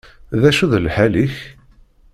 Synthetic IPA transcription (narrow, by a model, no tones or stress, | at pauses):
ðæʃuðlħæliç